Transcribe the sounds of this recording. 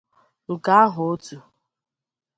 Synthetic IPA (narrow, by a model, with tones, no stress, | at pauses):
ʊ˨ka˦a˦ɦʊ˨o˦tu˨